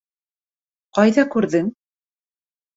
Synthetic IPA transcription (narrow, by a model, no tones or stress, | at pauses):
qɑjðɑkʉɾðɘŋ